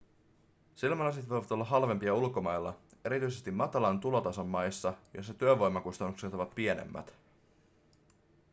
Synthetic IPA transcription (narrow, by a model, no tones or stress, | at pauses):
silmɑlɑset̪ʋo̞jʋɑt̪olːɑɦɑlʋe̞mpiɑulko̞mɑjlːɑ̰e̞ɾit̪yjse̞st̪imːɑt̪ɑlɑnt̪ulo̞t̪ɑso̞mːɑjsːɑjo̰sːɑt̪yøʋo̞jmːɑkust̪ɑnːukset̪oʋɑt̪pie̞nḛmːæ̰t̪